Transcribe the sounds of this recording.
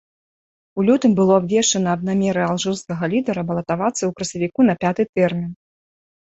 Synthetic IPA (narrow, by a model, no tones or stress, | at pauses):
ulʲut̪ɨmbɨlˠɔabvʲɛʂt͡ʂɐnɐːd̪namʲɛɾɨalˠʐɨrskɐɣɐlʲid̪ɐɾɐbɐlˠɐt̪avat̪sɐwkɾɐsʲɐvʲikunɐpʲat̪ɨt̪ɛrmʲin